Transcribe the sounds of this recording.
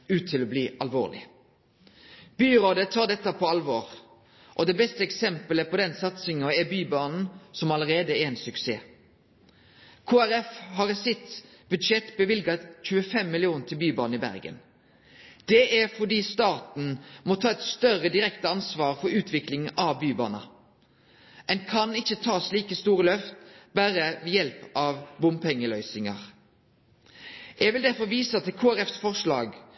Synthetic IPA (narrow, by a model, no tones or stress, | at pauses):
ʉːt̪t̪ʰːɪlɔbliːʔɑlʋo̰ːʁlɪ̰ | b̥yːʁoːd̪ət̪ʰɑːʁd̪ɛt̪ːəpʰɔɑlʋoːʁ | ʔɔd̪ɛbɛst̪əɛksɛmpələpʰɔd̪ɛnsɑt̪sɪŋɔɛbyːbɑːnn̩sɔmɑləʁeːd̪əɛɛnsʉksḛː | kʰoːæɾɛfhɑʁsɪt̪ | bʉd̪ʃɛt̪bəʋɪlɡɑc͡çʉːəfɛmːɪlɪuːnt̪ʰɪlbyːbɑːnəɪbæ̰ʁɡə̰n | d̪̥ɛʔæʁfɔd̪iːst̪ɑːt̪n̩mɔt̪ʰɑːɛt̪st̪œʁəd̪ɪɾɛkt̪əɑnsʋɑːʁfɔɾʉːt̪ʰʋɪklɪŋɑʋbyːbɑ̰ːnɑ̰ | ɛnkʰɑnɪçːət̪ʰɑːsliːkəst̪uːʁəlœft̪bæːɾəʋɛjɛlpʔɑʋbʊmpʰɛŋːəlœʏsɪŋɑ̰ʁ | ʔɛʋɪld̪æʁfɔʋiːsɑt̪ʰɪlkʰoːæɾɛfsfɔʁʂlɑ̰ːɡ